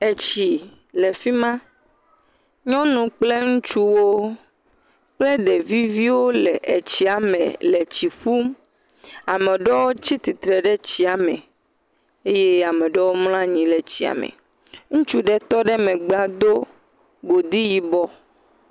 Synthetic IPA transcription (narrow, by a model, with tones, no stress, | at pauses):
e˨t͡ɕi˨ | le˨fi˦mã˦ | ɲɔ̃˦nũ˨k͡ple˦ŋũ˦t͡ʃu˦wo˦ | k͡ple˦ɖɛ˨vi˦vi˦wo˦lḛ˨ʔe˨t͡ɕi˨a˨mḛ̃˨le˨t͡ɕi˨ɸu˦m | a˨me˨ɖɔ˦wo˦t͡ɕi˦t̪i˨t̪ɾɛ˨ɖɛ˦t͡ɕi˨a˨mẽ˨ | e˦je˦a˨mẽ˨ɖɔ˦wo˦ml̃ã˦ɲĩ˨le˨t͡ɕi˨a̰˨mḛ˨ | ŋũ˦t͡ʃu˦ɖɛ˦t̪ɔ˦ɖɛ˦mẽ˨ɡ͡ba˦d̪o˦ | ɡo˨d̪i˦ji˨bɔ˦